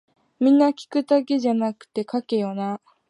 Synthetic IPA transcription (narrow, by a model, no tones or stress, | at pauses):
mʲĩnːakʲi̥kɯ̟d̪ake̞ʑanakɯ̟̥t̪e̞kake̞jona